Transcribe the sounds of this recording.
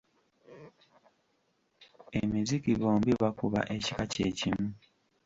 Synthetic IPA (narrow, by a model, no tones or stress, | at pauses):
emizikiβoːmbiβakuβa̰ʔe̞cikaceːcimu